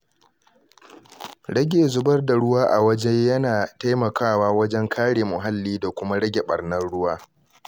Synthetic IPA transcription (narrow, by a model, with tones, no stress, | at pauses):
ɽɐ˦ɡʲeː˨zʊ˦bɐ˦rda˨ɽʊ˦waː˦ʔa˨wɐ˦d͡ʒɛ˦jɐ˦naː˨ta˦jmɐ˨kaː˦˨waː˦wɐ˦d͡ʒɛ˦ŋkʰaː˦ɽeː˨mʊ˨ɦa˦lːiː˦da˨kʷʊ˦ma˦ɽɐ˦ɡʲe˨ɓɐ̰˨rnɐ˦rɽʊ˦waː˦